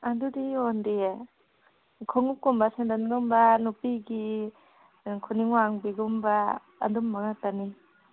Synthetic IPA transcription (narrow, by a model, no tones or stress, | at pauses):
adudiondie | kʰɔŋup̚kːumbasendanɡumbanupiɡi | kʰuniŋwaŋbiɡumba̰ː | dumːaŋatani